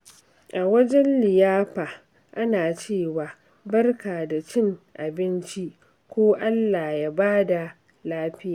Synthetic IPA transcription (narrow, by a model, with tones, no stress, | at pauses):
ʔa˨wɐ˦d͡ʒɛ˦nlɪ˨jaː˦ɸaː˨ | ʔa˦naː˨t͡ʃeː˦˨waː˨ | bɐ˦rkaː˨da˨t͡ʃɪ˦ŋʔa˨bɪ˦nt͡ʃi˦ʔ | kʷoː˦ʔa˦lːaː˨jaː˦baː˦da˨ | laː˦ɸɪ˦ja˨